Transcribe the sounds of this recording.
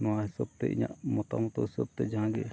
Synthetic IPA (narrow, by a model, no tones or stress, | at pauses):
nɔwaɦisɔb̚t̪ɛ̰ʔiɲa̰ʔmɔt̪amɔt̪ɔhisɔb̚t̪ɛd͡ʒaãɡɛ